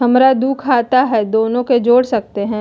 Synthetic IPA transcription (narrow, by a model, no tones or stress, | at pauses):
ɦɐmɾad̪uːkʰːaːt̪aɦɛd̪oːnõked͡ʒoːɽsɐk̚t̪eɦɛ̃ː